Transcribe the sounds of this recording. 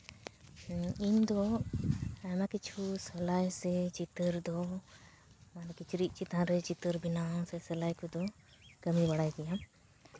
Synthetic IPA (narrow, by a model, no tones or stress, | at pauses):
iɲd̪ɔ | ajmakit͡ʃʰusɛlajsɛd͡ʒit̪əɾd̪ɔ | ankit͡ʃʰuɾiʔ̚ˀt͡ʃit̪ãɾɛt͡ʃit̪əɾbinaɔsɛsɛlajkud̪ɔ | kəmibaɽajɡɛjam